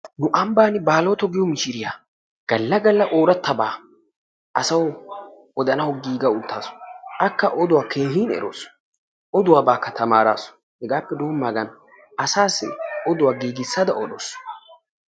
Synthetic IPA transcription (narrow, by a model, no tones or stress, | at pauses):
nʊʔɐmbaːnɪbaːloːt̪ɔɡɪjɔmɪʃɪɾɪjaː | ɡ̥ɐlːɐɡɐlːɐʔoːɾɐt̪ːɐbaː | ɐsɐw | ɔd̪ɐnɐwɔɡiːɡɐʊt̪ʰːaːsɔ̥ɐkːɐʔɔd̪ʊwaːkʰe̞ːɦiːnɛ̰ɾo̰ːs | ʔɔd̪ʊwaːbaːkːɐt̪ɐmaːɾa̰ːsɔ̥ | hɛɡaːpːɛd̪oːmːaːɡɐn | ɐsaːsːɪ̰ɔd̪ʊwaːɡiːɡɪsːad̪ɐʔɔɗo̰ːs